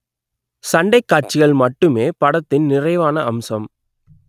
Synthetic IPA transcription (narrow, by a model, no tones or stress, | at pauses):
sɐɳɖɐɪkːaːʈ̚t͡ʃɪɣɐɭmɐʈːɯmeːpɐɽɐt̪ːɪnnɪrɐɪʋaːnɐʔɐmsɐm